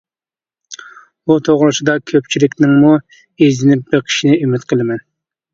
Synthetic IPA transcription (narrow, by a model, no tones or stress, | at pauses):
ut̪ʰoʁɾɨsɨd̪ɑkʲʰøp̚t͡ʃʰilɪkʲnɪŋmu | ezɪnɪp̚bɪɾqʲʰi̥ʃinɪymɪt̪qʰəlˠɨmɛn